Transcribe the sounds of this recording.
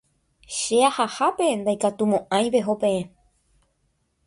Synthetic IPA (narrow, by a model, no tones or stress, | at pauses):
ʃeahahape̞nd̪ajkat̪umõʔãj̃ʋe̞ɦopẽ̞ẽ